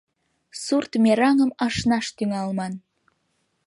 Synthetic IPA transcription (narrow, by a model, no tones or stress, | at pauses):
surt̪mʲeɾɑŋəmɑʃnɑʃt̪yŋɑlˠmɑn